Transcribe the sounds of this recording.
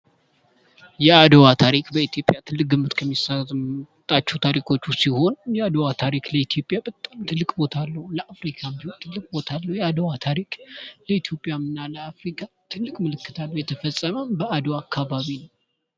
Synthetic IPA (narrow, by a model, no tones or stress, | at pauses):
jɛad̪əwat̪ʰaɾikʼbəit̪ʰjo̞pʼjat̪ʰɨlːɨk̚ɡɨmːɨt̪kʰəmːisat̪ʼat͡ʃːɛt̪ʰaɾikʼo̞t͡ʃːusiho̞njɛad̪əwat̪ʰaɾikʼləit̪ʰijo̞pʼjabət̪ʼːamt̪ʰɨlːɨkʼbo̞t̪ʰalːəhləʔafɾikʰambihont̪ʰɨlːɨkʼbo̞t̪ʰalːəwjɛad̪əwat̪ʰaɾikʼləit̪ʰjo̞pʼjamɨnːaləafɾikʰa | t̪ʰɨlːɨkʼmɨlɨkːɨt̪ʰalːəhwjɛt̪ʰəfəsʼːəməmbəad̪oakʰːaβaβinəw